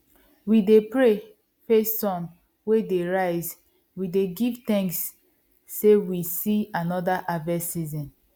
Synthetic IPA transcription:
widepɹe | fesːɔ̃m | wedeɹaɪz | wideɡivt̪ɛ̃ŋksː | ewisianɔdaʔavɛsizɔ̃n

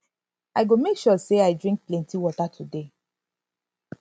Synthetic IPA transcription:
aɪɡomekʃɔseaɪdɹĩŋk̚plɛ̃ntiwɔtatʰude

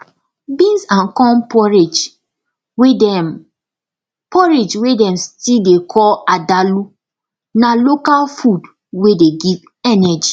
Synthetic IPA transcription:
bĩnsãnkɔ̃npɔɹed͡ʒ | weɛ | pʰɔɹed͡ʒwedɛ̃mstildekʰɔladalu | nalokalfud | wedeɡiv | ɛnɛd͡ʒi

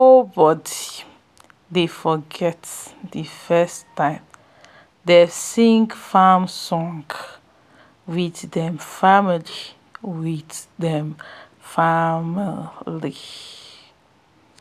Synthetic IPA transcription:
nobɔdi | defɔɡɛtdəfɛstãɪ̃m | desĩŋkfamsɔ̃ŋɡ | widdɛ̃mfamili | widdɛ̃m | famli

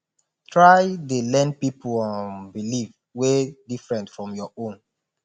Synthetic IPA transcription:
tʰɹajdelɛ̃npipʰlɔ̃nbiliv | wedifɹɛ̃ntfɹɔ̃mjɔõn

